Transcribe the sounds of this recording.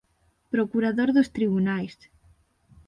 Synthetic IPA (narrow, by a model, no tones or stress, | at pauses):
pɾokuɾaðoɾðost̪ɾiβunajs